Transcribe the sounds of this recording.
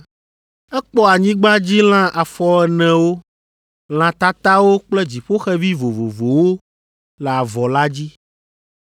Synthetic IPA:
ɛ˦k͡pɔ˦a˨ɲĩ˦ɡ͡ba˦d͡ʑi˦l̃ã˦ʔa˨fɔ˦ɛ˨nɛ̃˨wo˦ | l̃ã˨t̪a˦t̪a˦wo˦k͡plɛ˦d͡ʑi˨ɸo˦xɛ˦vi˦vo˨vo˨vo˨wo˦ | lɛ˨a˨vɔ˨la˦d͡ʑi˦

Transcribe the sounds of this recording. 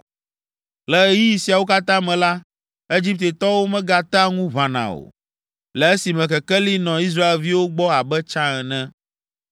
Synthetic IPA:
lɛ˨˦ji˦i˨si˨a˨wo˦ka˦t̪ã˦mɛ̃˨la˦ | e˦d͡ʒi˦p̚t̪e˨t̪ɔ˦wo˦mɛ̃˦ɡa˨t̪a˦ŋũ˦vã˨nã̰˨o̰˨ | lɛ˨e˦si˨mɛ̃˨kɛ˨kɛ˦li˦nɔ̃˨i˦s̬ɾa˦e˨lvi˦wo˦ɡ͡bɔ˦a˨bɛ˦t͡ʃã˦ɛ˨nɛ̃˦

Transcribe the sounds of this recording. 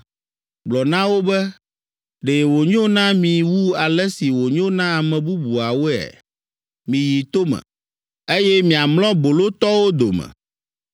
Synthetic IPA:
ɡ͡blɔ˨nã˦wo˦bɛ˦ | ɖe˨wo˨ɲõ˦nã˦mĩ˨wu˦a˨lɛ˦si˨wo˨ɲõ˦nã˦a˨mɛ̃˨bu˦bu˨a˨wo˦ɛ̰˨ | mĩ˨ji˨t̪o˦mɛ̰̃˨ | e˦jɛ˦mĩ˨a˨mlɔ̃˦bo˨lo˦t̪ɔ˦wo˦d̪o˨mɛ̰̃˨

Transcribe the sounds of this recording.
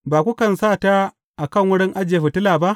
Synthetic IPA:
baː˨kʷu˦kɐ˨nsaː˦˨ta˦ | ʔa˨kɐ˦˨ŋwʊ˦ɽɪ˦ŋʔa˦d͡ʒɪ˨e˨ɸi˨tɪ˦laː˨ba˦ʔ

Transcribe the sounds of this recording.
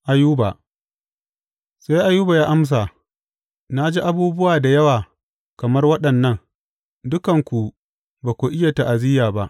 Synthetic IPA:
ʔa˨juː˦ba˨ | sa˦jʔa˦juː˦ba˨jaː˦ʔa˦ms̬a˨ | na˦d͡ʒiː˦ʔa˦buː˦bʊ˦waː˨da˨jɐ˦waː˨ | kɐ˨mɐ˦rwɐ˦ɗɐ˨nːɐ˦ŋ | dʊ˦kɐ˨ŋkʷu˨ | baː˨kʷu˨ʔɪ˦ja˨ta˨ʔa˨zɪ˦jaː˨ba˦ʔ

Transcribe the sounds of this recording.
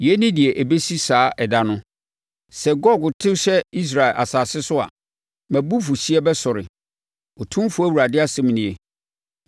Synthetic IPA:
jɛ˦nɪ̃˦dɪ˨ɛ˨ʔæ˨be˦si˦saː˦ɛ˨da˦nʊ̃˦ | sɛ˨ɡɔ˦˨ɡʊ˨tʰɪ˦ɕɛ˦i˦s̬ɾa˨e˨lʔa̰˨saː˨sɪ˦sʊ˦a̰˨ | mæ̃˨bu˦fu˨ɕi˦ɛ˦bɛ˦sɔ˨ɾɪ̰˨ | o˨tʰũ˦m˦fʊ˦æ˦wu˨ɾa˨dɪ˦a˦sɛ̃˦m˨nĩ˨e˨

